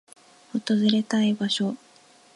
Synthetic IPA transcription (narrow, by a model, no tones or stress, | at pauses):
ot̪ozɨɾe̞t̪aibaɕo̞